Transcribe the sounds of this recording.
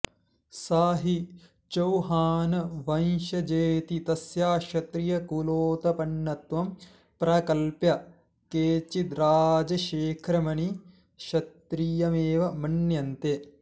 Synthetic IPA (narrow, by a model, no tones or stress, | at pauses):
saːɦi | t͡ʃɐwɦaːnɐʋɐnʃɐd͡ʒeːt̪it̪ɐsjaːʃɐt̪ɾijɐkuloːt̪ɐpɐɳːɐt̪ʋɐm | pɾɐkɐlpjɐ | keːt͡ʃit̪ɾaːd͡ʒɐʃeːkʰɾɐmɐni | ʃɐt̪ɾijɐmeːʋɐmɐɳjɐnt̪e